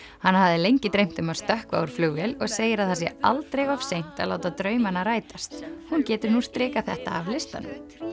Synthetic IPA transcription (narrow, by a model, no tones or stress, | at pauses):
hanhavðɪlejɲcɪt̪ɾejm̥t̪ʏmavst̪œhkva̰ːwuɾ̥fluːvjɛlɔɣseːjɪɾaðθas̬jɛ̰alt̪ɾejɣɔv̥sejn̥t̪a̰ðlaːwt̪at̪ɾœːɥmanːaɾaːjt̪ast̪huncɛːt̪ʏɾnust̪ɾɪːkaθɛht̪a̰ːvlɪst̪a̰nʏ̰m